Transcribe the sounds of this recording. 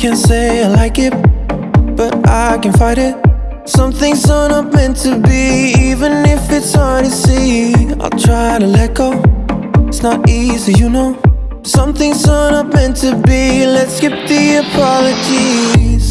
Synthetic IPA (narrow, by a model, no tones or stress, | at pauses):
kʰæ̃nseɪaɪlaɪkɪt̚ | b̥ʌɾa̰ɪkɨ̃nfaɪɾɪt̚ | sʌ̃mθɪ̃ŋzənʌpmɨ̃ntʰɨbiivɨ̃nɪfɪtsɑɾɨsia̰ɪlˠtʰɹ̥aɪɾɨlɛt̚ɡ̥oʊ | ɪtsnəɾizijɨnoʊ | sʌ̃mθɪ̃ŋzənʌpɨ̃ntʰɨbilɨtskɪp̚ðiɨpʰɑlˠɨd͡ʒiz̥